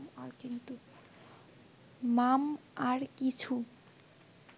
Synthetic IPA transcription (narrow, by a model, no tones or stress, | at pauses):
maɾkint̪u | mam | aɾkit͡ɕʰu